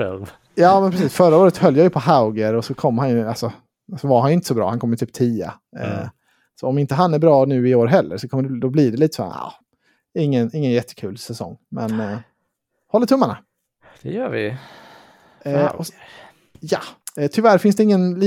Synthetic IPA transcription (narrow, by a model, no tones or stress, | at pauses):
ɛ̰ | jɑːmɛnpɾɛsiːsfœɾaoːɾət̪hœljajɵpʰɔɦaʊɡəɾɔsɔkʰɔmːhanjɵalsɔ | sɔvaɾhanjʏɪnt̪əsɔbɾɑ̰ːhankʰɔmːjt̪ʰyːp̚t̪ʰiːa̰ | sɔɔmɪnt̪əɦanːæɾbɾɑːnʉ̟ːɪoːɾɦɛlːə̰ɾʂɔkʰɔmːəɖɛd̪ɔblɪɖɛliːt̪ə̥sɔ̰a̰ː | ɪŋːənɪŋːənjɛt̪ʰːə̥kʰʉ̟ːlsɛsɔ̰ŋːmɛ̰n | hɔlːəʈ̪ʰɵmːana̰ | d̪̥ɛjœːvɪ̰ | ɔ | jɑɛt̪ʰʏvæɾfɪnsd̪ɛɪŋːənli